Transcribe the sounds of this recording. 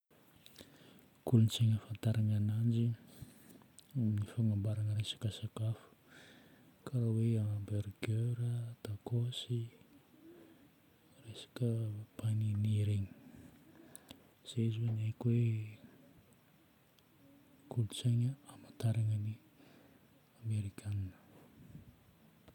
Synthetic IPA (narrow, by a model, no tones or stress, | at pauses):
kulunt͡seɲəfant̪aɾaŋanand͡ʒi | amnifaŋambaɾanəɾesḁkasakafu̥ | kʰaɾaweamberɡøɾət̪akosi | resḁkəpaniniɾeɲi̥ | z̥eizwenajkwe | kʰulut͡saɲəamat̪aɾaŋani | ameɾikʲʰananə̥